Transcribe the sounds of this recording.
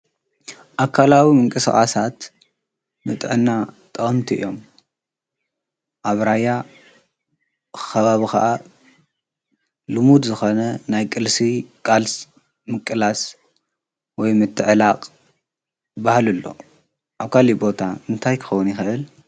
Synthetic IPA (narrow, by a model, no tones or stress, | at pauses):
ʔakʰːalawimɨŋkʼɨsxʼa̰sat̪ | mɨt̪ʼʕɨnːat̪ʼɐχʼɨmt̪ʰiɨ̰jːo̞m | ʔaβɾaja | xɐβaβixɐ̰ʔa | lɨmud̪zɨxo̞nɐnajkʼɨlsikʼals | mɨkʼːɨlas | wɔjmɨt̪ʰːɨʕlaqʼ | bahlɨlːo̞̰ | ʔaβkʰalibo̞t̪ʰaɨnt̪ʰajkʰɨ̥xɐwunjɪxɨʔɨl